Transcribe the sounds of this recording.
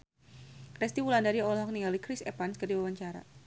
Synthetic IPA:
kɾɛst̪iwulandaɾiɔlɦɔk̚niŋɡalikɾɪsɛpanskərdiwawaɲt͡ʃaɾa̰

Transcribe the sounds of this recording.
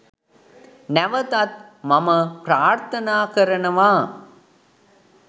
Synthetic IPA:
næʋɐt̪ɐt̪̚mɐmɐpɾaːɾt̪ʰɐnaːkɐɾɐnɐʋaː

